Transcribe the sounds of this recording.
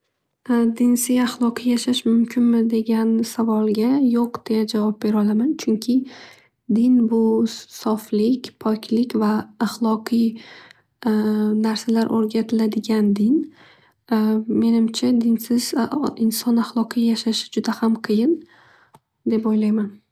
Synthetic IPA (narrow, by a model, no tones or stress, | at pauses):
d̪ɪnsɪzaχlˠɒqʰɨjjaʃaʃmʊmkʰʲɪnmɪd̪e̞ɡʲansavɒlˠɡʲajoqd̪̥e̞jad͡ʒavɒp̚be̞ɾɒlˠamant͡ʃʰʊŋkʲʰɪ | d̪ɪnbʊsɒflɪkʲpʰɒkʲʰlɪkʲvaːχlˠɒqʰɨj | naɾsalaɾʔoɾɡʲat̪ʰɪlad̪ɪɡʲand̪ɪn | me̞nɪmt͡ʃʰad̪ɪnsɪz̥ɪnsɒnaχlˠɒqʰɨjjaʃaʃɪ̥d͡ʒʊd̪ahamqʰɨjɪn | d̪e̞pojlajman